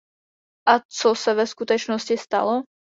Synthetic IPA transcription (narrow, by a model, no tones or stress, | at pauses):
ʔat͡sosavɛskut̪ɛt͡ʃnoscɪst̪a̰lo